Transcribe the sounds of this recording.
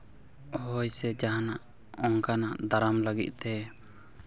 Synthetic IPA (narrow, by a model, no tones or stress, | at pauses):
ɔɦɔjsɛd͡ʒaɦanaʔ | ɔŋkanaʔd̪aɾamləɡḭt̪̚ˀt̪ɛ